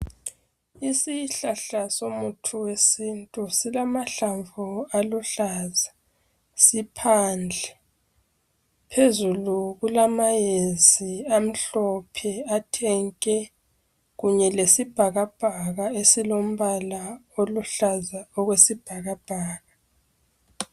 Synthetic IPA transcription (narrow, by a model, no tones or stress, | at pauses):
isiɬaɬasomutʰuwesintʼusilamaɬaɱvualuɬaːza | sipʰaːnd͡ɮʱɛ | pʰezuluɣulamajeziam̩ɬɔpʰɛatʰɛŋkʼɛ | ɣuɲɛlesib̥ʱaɣab̥ʱaɣaesilom̩βalaoluɬazaɔɣwesib̥ʱaɣab̥ʱaːɣa